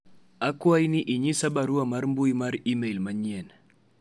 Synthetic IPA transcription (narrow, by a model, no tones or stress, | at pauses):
akwajniʔiɲisabaɾuamaɾmbuimaɾimɛilmaɲiɛn